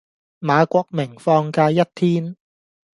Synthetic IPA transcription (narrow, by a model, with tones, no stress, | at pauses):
maː˨˧kʷɔː˧k̚mɪ˨˩ŋfɔː˧ŋkaː˧jɐ˥t̚t̪ʰiː˥n